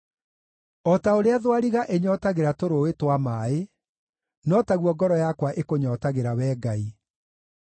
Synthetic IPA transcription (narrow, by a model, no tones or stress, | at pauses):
ɔtaoɾeaðwaɾiɣaʔeɲɔtaɣeɾatoɾoetwamaːe | nɔtaɣwɔɡɔɾɔjakwaʔekoɲɔtaɣeɾawɛːɡai